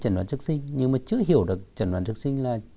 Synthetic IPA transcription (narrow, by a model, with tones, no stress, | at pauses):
t͡ɕə˧˩n˨waː˧˦nt͡ɕɨ˦˥k̚sï˧ŋ̟ɲɨ˧ŋmaː˨˩t͡ɕɨ̰˧˥əɦi˧˩əwɗɨ˨˩ək̚t͡ɕə˧˩nwaː˧˦nt͡ɕk̚sï˧ŋ̟laː˨˩